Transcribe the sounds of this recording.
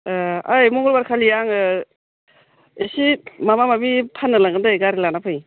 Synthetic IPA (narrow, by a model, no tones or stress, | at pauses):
ajmɔŋɡɔlbaɾkʰalijaŋɯ | esimamamabipʰanːɯlaŋɡɯndɯɡaɾilanapʰɯj